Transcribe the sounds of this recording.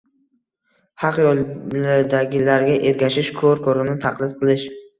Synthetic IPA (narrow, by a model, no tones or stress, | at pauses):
hɑqjɒlˠad̪aɡʲɪlaɾɡʲaʔeɾɡʲaʃɪʃkʰɵɾkʰɒɾɪnɪt̪ʰaqlˠɪd̪̚qʰɨlˠɪʃ